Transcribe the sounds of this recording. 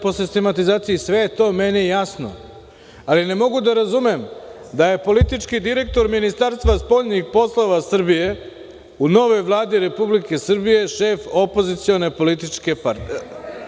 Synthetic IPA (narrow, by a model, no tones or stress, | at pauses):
posist̪emat̪izaːt̪sijisʋe̞jet̪o̞menijasno̰ | aline̞mo̞ɡud̪aɾazumem | d̪aje̞po̞lit̪it͡ʃkid̪iɾe̞k̚t̪o̞ɾminist̪aɾst̪ʋaspo̞ʎnixpo̞slˠoʋasr̩bije̞ | uno̞ʋo̞jʋlˠaːd̪iɾe̞publike̞sr̩bije̞ʃe̞fo̞po̞zit̪sio̞ne̞po̞lit̪it͡ʂke̞paɾt̪